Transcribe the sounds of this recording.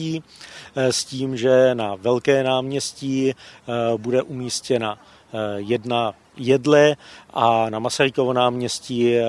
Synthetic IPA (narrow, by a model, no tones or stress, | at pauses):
iː | sciːmʒɛnavɛlkɛːnaːmɲɛsci | budɛʔumiːscɛna | jɛdna | jɛdlɛʔanamasaɾɪkovonaːmɲɛsci